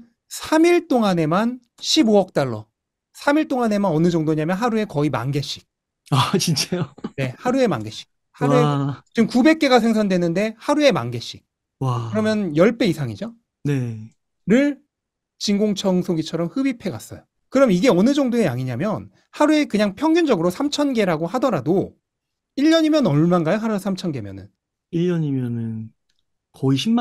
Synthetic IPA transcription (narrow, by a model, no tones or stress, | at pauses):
sʰamiɭt͈oŋane̞man | ɕʰiboʌk̚t͈aɭːʌ̰ | sʰamiɭt͈oŋane̞manʌnɯd͡ʑʌŋdoɲamjʌnɦaɾue̞kʌima̰nɡe̞ɕ͈i̥k̚ | at͡ɕint͡ɕ͈ajone̞haɾue̞ma̰nɡe̞ɕ͈i̥k̚ | hauet͡ɕɯmkube̞k̚k͈e̞ɡasʰe̞ŋs̬ʰandwe̞nɯnde̞haɾue̞ma̰nɡe̞ɕ͈ik̚ | akɯɾʌmjʌnjʌɭp͈e̞isʰaŋid͡ʑo | ne̞ | ɾɯɭ | t͡ɕiŋɡoŋt͡ɕʰʌŋsʰoɡit͡ɕʰʌɾʌmhɯbipʰe̞ɡa̰s͈ʌ̰jo | kɯɾʌmjiɡe̞ʌnɯd͡ʑʌŋdoejaŋiɲamjʌn | haɾue̞kɯɲaŋpʰjʌŋɡjund͡ʑʌɡɯɾosʰamt͡ɕʰʌnɡe̞ɾaɡohadʌɾado | iʎːʌɲimjʌnʌɭmanɡajoɦaɾusʰamt͡ɕʰʌnɡe̞mjʌ̰nɯ̰n | iʎːʌɲimjʌnɯn | kʌiɕʰim